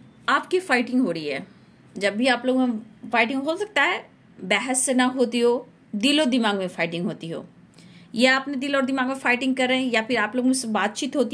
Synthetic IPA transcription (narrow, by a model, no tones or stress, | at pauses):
aːpkifaːɪʈɪ̃ŋɡɦoːɾəiɦɛ̰ː | d͡ʒɐbːʱiaːploːɡẽfaːɪʈɪ̃ŋɡɦosɐk̚t̪aɦɛː | bɛːɦəsːenɐɦoːt̪iɦoː | d̪ilod̪ɪmaːɡmẽfaːɪʈɪ̃ŋɡɦoːt̪iɦo̰ː | jaːpned̪ilɔːɾd̪ɪmaːɡmẽfaːɪʈɪ̃ŋɡ̚kɐɾːeẽjapʰɪɾaːploːɡ̃sebaːd̪̚t͡ʃiːt̪ɦoːt̪i